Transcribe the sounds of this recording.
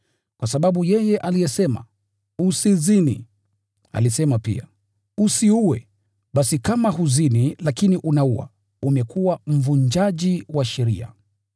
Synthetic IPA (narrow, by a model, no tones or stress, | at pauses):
kwasaɓaɓujɛjɛʔalijɛsɛma̰ | usizinḭ | a̰lisɛmapḭa̰ | usiuwɛ | ɓasikamaɦuzinilakiniʔunauwa̰ | umɛkuwam̩vuɲd͡ʒaʄiwaʃɛɾḭa̰